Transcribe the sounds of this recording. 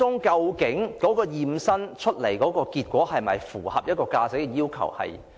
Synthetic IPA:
ʊ˥ŋkɐ˧wkɪ˨˥ŋkɔː˨˥kɔː˧jiː˨˩msɐ˥nt͡ʃʰɵ˥t̚le˨˩jkɔː˨˥kɔː˧kiː˧t̚kʷɔː˨˥hɐ˨jmɐ˨jfṵː˨˩hɐ̰˨p̚jɐ˥t̚kɔː˧kaː˧t͡sɪ˨˥k̚ɛ˧jiː˥wkʰɐ̰˨˩whɐ̰˨j

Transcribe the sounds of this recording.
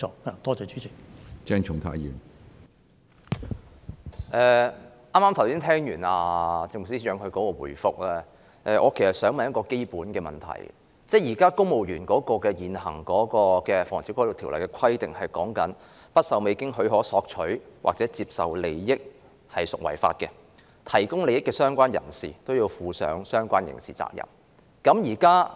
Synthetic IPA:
ɔː˨˧naː˨t̪ɔː˥ɔː˨˧t͡ʃy̥ː˨˥t͡sʰiː˨˩t͡ʃɛː˥ŋt͡ʃʰʊ˨ŋt̪ʰa̰ː˨˧jjiː˨˩m | ʔɛː˨˩ | ʔaː˥maː˥mt̪ʰwsiː˥nt̪ʰɛː˥ŋjyː˨˩naː˧t͡sɪ˧ŋmʊ˨ksiː˥sjœː˨˧ŋhɵ˧ɥkɔː˨˥kɔː˧wṵ˨˩jfʊ˨k̚lɛː˥ | ʔɛː˨˧ʔɔː˨˧kʰe˨˩jsɐ˨t̚sœː˨˥ŋmɐ˨njɐ˥tkɔː˧ke˥jpuː˨˥nkɛː˧mɐ˨˩nt̪ʰɐ̰˨˩j | t͡sɛ˥˩jiː˨˩kaː˥kʊ˥ŋmo˨wjyː˨˩nkɔː˨˦˥kɔː˧kɛː˧jiː˨nhɐ̰˨˩ŋkɔː˨˥kɔː˧kɛː˧fɔː˨˩ŋt͡sʰiː˨˥kʰʷɔː˥lo˨˩t̪ʰi˨wlɐ˨˩jkɛ˧kʷʰɐ˥jt̪ɪ˨ŋhɐ˨jkɔ̰ː˨˥ŋkɐ˨˥n | pɐ˥t̚sɐ˨wme˨˧kɪ˥ŋɦɵ˨˧˥ɥɦɔː˨˥sɔː˧k̚t͡ʃʰɵ˨˥ɥwa̰ː˨k̚t͡sɛː˨˥t͡siː˧p̚sɐ˨wle˨jːɪ˥k̚ | hɐ˨jsʊ˨k̚wɐ̰˨˩jfa̰ː˧t̚kɛ˧ | t̪ʰɐ˨˩jkʊ˥ŋle˨jɪ˥kːɛː˧sœː˥ŋkʷwaː˥njɐ̰˨˩nsḭː˨˩t̪o˥wjiː˧wfuː˨˧sœ̰ː˨˥ŋsœː˥ŋkʷaː˥njɪ̰˨˩ŋsiː˨˩t͡sa̰ː˧k̚jɐ̰˨˩m | kɐ˨˥mjiː˨˩kaː˥

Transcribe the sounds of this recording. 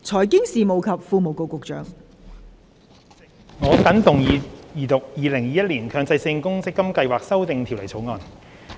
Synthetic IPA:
t͡sʰɔː˨˩jkɪ˥ŋsiː˨mo˨wkʰɐ˨p̚fuː˧mo˨wko˨wkʊ˨k̚t͡ʃœ̰ː˨˥ŋ | ŋɔː˨˧kɐ˨˥nt̪ʊ˨˩ŋjiː˨˧jiː˨˩t̪ʊ˨k̚jiː˨˧lɪ˨˩ŋjiː˨˩jɐ˥t̚liː˨˩nkʰœː˧ŋt͡sɐ˧jsɪ˧ŋkʊ˥ŋsɪ˥kːɐ˥mkɐ˧jwaː˨k̚sɐ˥wt̪ɪ˧ŋt̪ʰi˨˩wlɐ˨˩t͡sʰo˨˥wŋɔː˨˧n

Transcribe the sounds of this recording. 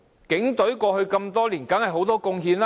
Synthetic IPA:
kɪ˨˥ŋt̪ɵ˨˥ɥkɔː˧hɵ˧ɥkɐ˧mt̪ɔː˥liː˨˩nkɐ˨˥nhɐ˨jɦo˨˥wt̪ɔː˥kʊ˧ŋɦiː˧nla˦˥

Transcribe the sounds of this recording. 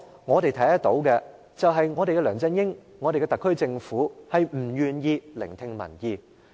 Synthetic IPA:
ŋɔː˨˧t̪e˨jt̪ʰɐ˨˥jɐ˥t̪o˨˥wkɛ˧ | t͡sɐ˨wɦɐ˨jŋɔː˨˧ɾe˨kɛ˧lœː˨˩ŋt͡sɐ˧njɪ˥ŋːɔː˨˧ɾe˨kɛ˧t̪ɐ˨kʰːɵ˥ɥt͡sɪ˧ŋfuː˨˥hɐ˨jm̩˨˩jyː˨njiː˨˧lɪ̰˨˩ŋt̪ʰɪ˧ŋmɐ̰˨˩njiː˨˩

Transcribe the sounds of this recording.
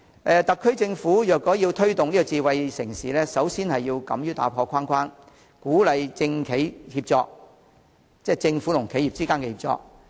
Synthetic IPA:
ʔɛː˨˧t̪ɐ˨kʰːɵ˥ɥt͡sɪ˧ŋfuː˨˥jœː˨k̚ːɔː˨˥jiː˧wt̪ʰɵ˥ɥt̪ʊ˨ŋnliː˥ɡɔː˧t͡siː˧wɐ˧jsɪ˨˩ŋsiː˨lɛː˥sɐ˨˥wsiː˥nhɐ˨jːiː˧wkɐ̰˨˥mjyː˥t̪a̰ː˨˥pʰɔː˧kʰaː˥nkʷʰaː˥n | kuː˨˥lɐ˨jt͡sɪ˧ŋkʰe˨˥jhiː˧p̚t͡sɔː˧k̚ | t͡sɛː˥˩t͡sɪ˧ŋfuː˨˥lʊ˨˩ŋkʰe˨˥jiː˨p̚t͡siː˥kaː˥nkɛ˧hiː˨p̚t͡sɔ̰ː˧k̚

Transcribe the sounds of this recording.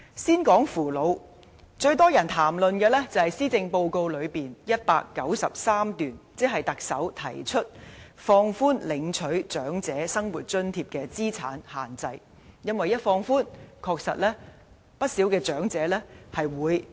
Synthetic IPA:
siː˥nkɔː˨˥ŋfuː˨˩lo˨˧w | t͡ʃɵ˧ɥt̪ɔː˥jɐ˨˩nt̪ʰaː˨˩mlɵ˨nkɛː˧lɛː˥t͡sɐ˨˩hɐ˨jsiː˥t͡sɪ˧ŋpo˧wko˧wlɵ˨˧ɥpiː˨njɐ˥t̚pa̰ː˧kːɐ˨˥wsɐ˨p̚saː˥mt̪yː˨˩nt͡sɛː˥ɦɐ˨jt̪ɐ˨k̚sɐ̰˨˥wt̪ʰɐ˨˩jt͡ʃʰɵ˥t̚fɔː˧ŋfuː˥nlɪ˨˧˥ŋt͡ʃʰɵ˨˥ɥt͡ʃœː˨˥ŋt͡sɛː˨˥sɐ˥ŋwuː˨t̚t͡ʃɵ˥nt̪ʰiː˧p̚kɛː˧t͡siː˥t͡sʰa̰ː˨˥nhaː˨˩nt͡sɐ˧j | jɐ˥nwɐ˨jɐ˥t̚fɔː˧ŋfuː˥nkʰɔː˧k̚sɐ̰˨t̚lɛː˥ | pɐ˥t̚siː˨˥wkɛː˧t͡ʃœː˨˥ŋt͡sɛː˨˥lɛː˥hɐ˨jwuː˨˧j

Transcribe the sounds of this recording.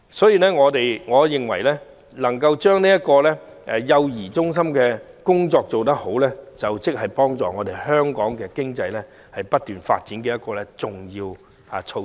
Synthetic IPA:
sɔː˨˥jiː˨˧lɛː˥ŋɔː˨˧t̪e˨jŋɔː˨˧jɪ˨ŋwɐ˨˩jlɛ˥ | lɐ˨˩ŋkɐ˧wt͡ʃœː˥ŋniː˥jɐ˥t̚kɔː˧lɛː˥ʔɛ˨jɐ˧wjiː˨˩t͡sʊ˥ŋs̬ɐ˥mkɛː˧kʊ˥ŋt͡sɔː˧k̚t͡so˨wt̪̬ɐ˥k̚ho˨˥wlɛː˥t͡sɐ˨wt͡sɪ˥k̚hɐ˨jpɔː˥ŋt͡sɔ̰ː˨˩ŋɔː˨˧d̪e˨˩jhœː˥ŋkɔː˨˥ŋkɛː˧kɪ˥ŋt͡sɐ˧jlɛ˥ | hɐ˨jpɐ˥t̚t̪yː˨nfa̰ː˧t̚t͡siː˨˥nkɛː˧jɐ˥t̚kɔː˧lɛ˦˥t͡sʊ˨ŋjiː˧w | aː˨˧t͡ʃʰo˧

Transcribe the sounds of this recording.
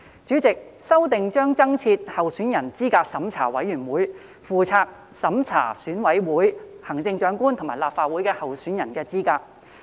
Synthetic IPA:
t͡ʃyː˨˥t͡sɪ˨k̚sɐ˥wt̪ɪ˨ŋt͡ʃœː˥ŋt͡sɐ˥ŋt͡sʰiː˧t̚hɐ˨wsyː˨˥njɐ˨˩nt͡siː˥kaː˧k̚sɐ˨˥mt͡sʰa̰ː˨˩wɐ˨˥jːyː˨˩nwuː˨˥j | fuː˨˧t͡sʰaː˧k̚ | sɐ˨˥mt͡sʰa̰ː˨˩syː˨˥nwɐ˨˥jwuː˨˥jhɐ˨˩ŋt͡sɪ˧ŋt͡ʃœː˨˧ŋkuː˥nt̪ʰo˨˩ŋmaː˨˩jlaː˨p̚faː˧t̚wuː˨˥jkɛː˧hɐ˨wsyː˨˥njɐ˨˩nkɛː˧t͡siː˥kaː˧k̚

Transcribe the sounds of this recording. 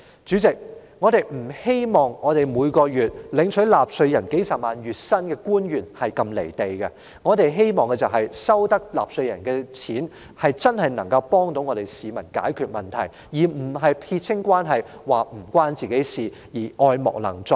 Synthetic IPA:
t͡ʃy˨˥t͡sɪ˨k̚ŋɔː˨˧t̪e˨j̚m̩˨˩he˥jmɔː˨˩ŋŋɔː˨˧t̪e˨jmuː˨˧jkɔː˧jyː˨t̚lɪ˨˥ŋt͡ʃʰɵ˨˥jlaː˨p̚sɵ˧ɥjɐ˨˩nke˨˥jsɐ˨p̚maː˨˧njyː˨˩t̚sɐ˥nkɛː˧kuː˥njyː˨˩nhɐ˨jkɐ˧mle˨˩jt̪e˨jkɛ˧ | ŋɔː˨˧t̪e˨˧jɦe˥jmɔː˨ŋkɛ˧t͡sɐ˨wɦɐ˨jsɐ˥wt̪ɐ˥k̚la̰ː˨p̚sɵ˧ɥjɐ̰˨˩nkɛː˧t͡sʰiː˨˥n | hɐ˨jt͡sɐ˥nhɐ˨jnɐ˨˩ŋkɐ˧wpɔː˥ŋt̪o˨˥wŋɔː˨˧t̪e˨jsiː˨mɐ˨˩nka̰ː˨˥jkʰyː˨˧t̚mɐ˨nt̪ʰɐ̰˨˩j | jiː˨˩m̩˨˩ɦɐ˨jpʰiː˧t̚t͡sʰɪ˥ŋkʷwaː˥nɦɐ˨jwaː˨m̩˨˩kwaː˥nt͡siː˨˩ke˨˥jsiː˨ | jiː˨˩ʔɔː˧jmɔ̰˨˩k̚lɐ̰˨˩ŋt͡sɔ˧˥k̚

